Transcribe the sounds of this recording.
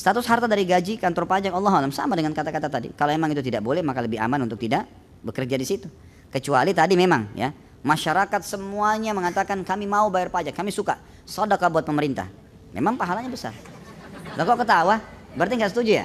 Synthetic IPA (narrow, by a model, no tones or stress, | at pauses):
st̪at̪ʊsɦart̪adaɾiɡad͡ʒikant̪ɔrpad͡ʒak̚ɑlːɑɦalamsa̰madəŋankat̪akat̪at̪adḭkalomemaŋit̪̬ut̪̬idaʔ̚bolɛhmakaləbɪha̰manunt̪ʊk̚t̪idaʔ | bəkərd͡ʒadisit̪u | kət͡ʃualit̪adimemaŋja̰ | maʃaɾakat̪̚səmuaɲaməŋat̪akankamimaubajarpad͡ʒakːamisuka | sɔdakabuat̪̚pəməɾint̪a̰h | mʔḛmaŋpaɦalaɲabəsa̰r | lakakət̪awabəɾnt̪iŋɡasət̪ud͡ʒuja̰